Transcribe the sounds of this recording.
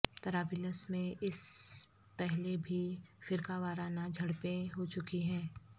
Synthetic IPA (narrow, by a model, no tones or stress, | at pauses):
t̪ɐɾaːbɪləsmẽʔɪs | pɛɦlebʱifɪɾkaʋaːɾaːnad͡ʒʱɐɽpẽɦot͡ʃʊkiɦɛ̃ː